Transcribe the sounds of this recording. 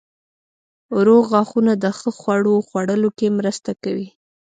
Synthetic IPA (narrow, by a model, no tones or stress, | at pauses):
ɾoɣɑxunad̪əxəxwaɽoxwaɽəlokemɾəst̪akawi